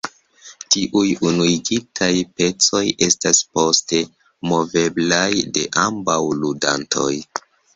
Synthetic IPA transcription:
tiʔujunuiɡitʰajpe̞t͡so̞jʔe̞staspo̞ste̞ | mo̞ve̞blajde̞̰ʔambawluda̰ntʰo̞̰j

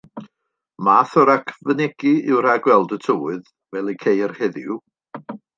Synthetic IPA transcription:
maːθɔɾakʰvənɛɡ̥iɪwɾ̥aɡwɛlˠdətʰəwɨð | vɛlˠikʰejrhɛðɪw

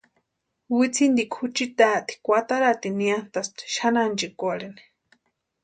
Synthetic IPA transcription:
wit͡sʰind̪ikʷʰut͡ʃit̪at̪ʰi̥kʷat̪aɾat̪iniant̪ast̪ʃanant͡ʃikʷalini̥

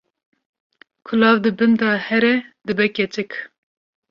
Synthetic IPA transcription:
kʰʊlɑːvd̪ɨbɨnd̪ɑːhɛɾɛd̪ɨbɛkʲɛt͡ʃɨk

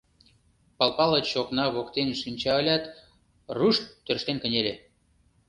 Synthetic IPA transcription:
pɑlˠpɑlˠɤt͡ɕoknɑβokt̪enʃynʲt͡ɕɑəlʲɑt̪ | ruʃt̪ːørʃt̪enkə̆nʲelʲe

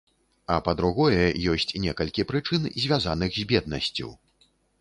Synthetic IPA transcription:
ɐpɐd̪ɾuɣɔjɛjɔsʲt͡sʲnʲɛkɐlʲkʲipɾɨt͡ʂɨnzʲvʲazanɨɣzʲbʲɛd̪̚nɐ̰sʲt͡sʲṵw

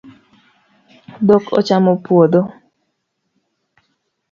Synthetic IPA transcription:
d̪okʰɔ̰t͡ʃamopwod̪o

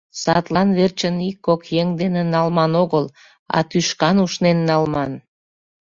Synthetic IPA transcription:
sɑt̪lɑnβert͡ɕənikːokjeŋd̪enenɑlmɑnoɣəl | ɑ̰t̪yʃkɑnuʃnenːɑlmɑn

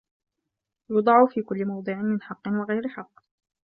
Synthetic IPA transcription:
jʊd̪ˤɑʕʊfiːkʊlːɪmɑwd̪ˤɨʕɪnmɪnħɑqːɨnwaɣajɾɪħɑqː

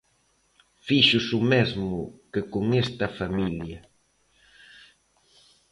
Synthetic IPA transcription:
fiʃʊsʊmezmʊkɪkoŋest̪ɐfamiljɐ

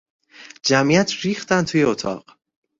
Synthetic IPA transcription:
d͡ʒæmijæt̪ʰɾiːxt̪ænt̪ʰuːjeot̪ʰɒ̰ːɢ

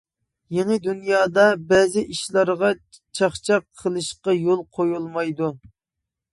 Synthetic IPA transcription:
jenɪd̪unjɑːd̪ɑbɛzɪʔiʃlˠɑɾʁɑ | t͡ʃʰɑχt͡ʃʰɑqʰːəlˠɨʃqɑjolˠqʰojulˠmɑjd̪u

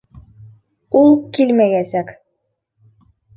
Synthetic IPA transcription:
ulˠkilʲmæjæsæk

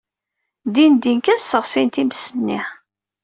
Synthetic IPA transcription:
d̪ind̪inkæsːəʁsint̪iməsːənːḭ

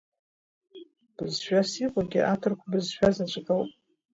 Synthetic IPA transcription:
b̥ɨzʃᶣasiqʷʼaɡʲiʔatʰɨrkʷʰabɨzʃᶣazat͡ʃʷʼaɡəlwpʼ

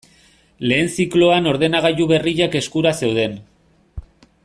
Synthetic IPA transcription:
le̞ːnsiklo̞ano̞ɾðe̞naɣ̞aʎuβe̞riʎake̞skuɾase̞wð̞e̞n

